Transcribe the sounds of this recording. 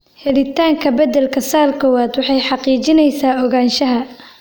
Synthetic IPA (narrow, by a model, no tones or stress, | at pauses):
hɛlɪt̪ʰaːŋkʰɐbɐd̪ɛlkʰɐsaːrkʰɔːwaːd̪wɑħɑjħɑqiːt͡ʃɪnɛjsaːɔɣaːnʃɐɦɐ